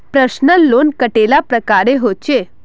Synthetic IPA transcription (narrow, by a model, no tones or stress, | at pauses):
pɾəɕnəlːonkəʈelapɾəkaɾeɦot͡ɕe